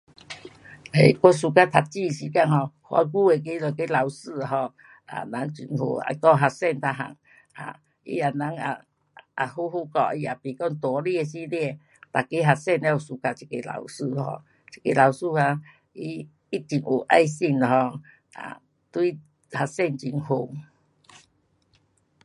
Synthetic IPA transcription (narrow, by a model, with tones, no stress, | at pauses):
e˧˨kɔ˦s̬u˧ka˦t̪ʰa˨˩t͡ɕi˥˧˨ɕi˧˦ka˧nɦɔ˧hwa̰˧˦ɡu˦e˨˧k̬e˦lɔ˨ke˦la˨wsɨ˥˧˨a˨ɦɔ˧ | a̰˨na˨˦ŋt͡ɕi˨nhṵ˧˨a̰˧kɔ˧ɦa˧sɛ˥˧˨nt̪ʰa˧ɦa̰˨ŋ | a̰˨ | ḭ˦a˨˩na˨˦ŋa̰˨ | a˨hu˦ɦu˧˦kɔ̰˧˨i˧˦a˨pi˨kɔ˧ŋt̪ɔ˨˦li˦˧˨e˧si˦li˦˧e˧˨ | t̪a˨ke˦ɦa˧sɛ˦˧˨ne˧˦o˨su˧ka˨t͡ɕi̥˨ke˨la̰˨˧˦wsɨ˧˨hɔ̰˧˨ | t͡ɕi̥˨ke˨la˨wsu˧˨ha˧˦ | i˦ | i˦t͡ɕi˨ŋʔo˨ʔa̰˧jsi˧˨na˨ɦɔ˧ | a̰˨ | t̪wi˦ | ha˧sɛ˦˧˨nt͡ɕi˨˩ŋɦo˨